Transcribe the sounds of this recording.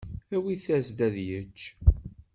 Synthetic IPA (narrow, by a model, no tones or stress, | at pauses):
æwiθæzd̪æðjət͡ʃː